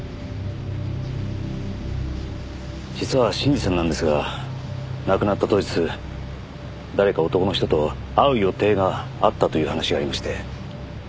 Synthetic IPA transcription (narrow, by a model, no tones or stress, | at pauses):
d͡ʑit͡sɨβaɕĩɲd͡ʑisãnːãnd̪esɨɡa | nakɯnat̪ːat̪o̞ʑit͡sɨ | d̪aɾe̞kao̞t̪o̞ko̞no̞çi̥t̪o̞t̪o̞ | aɯ̟jo̞t̪e̞ːɡaːt̪ːat̪o̞jiɯ̟ːhanaɕiɡaːɾʲimaɕi̥t̪e̞